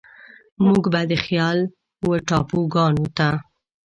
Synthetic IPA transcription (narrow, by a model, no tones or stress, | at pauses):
muɡbad̪əxjɑl | wəʈɑpoɡɑnot̪a